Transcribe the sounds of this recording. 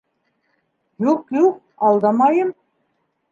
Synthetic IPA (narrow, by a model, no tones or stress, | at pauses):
juqjuq̚ | ɑlˠd̪ɑmɑjɤm